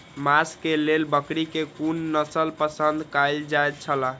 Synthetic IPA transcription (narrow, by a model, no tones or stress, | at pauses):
maskelelbəkɾikekunːəsəlpəsənd̪kajld͡ʒajt̪̚t͡ʃʰəla